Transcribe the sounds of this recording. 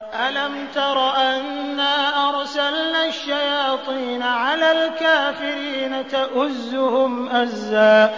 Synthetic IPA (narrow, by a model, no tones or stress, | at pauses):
ʔalamt̪ɑɾˤɑʔanːaːʔɑɾˤsalnaːʃːajɑːt̪ˤiːnaʕalaːlkaːfɪɾiːnat̪aʔʊzːʊhʊmʔazːaːʔ